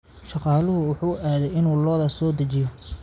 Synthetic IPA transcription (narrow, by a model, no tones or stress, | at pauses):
ʃɑqɑːlʊɦʊwʊħuːʔaːðɛjɪnuːlɔːðɐsɔːd̪ɐt͡ʃɪjɔ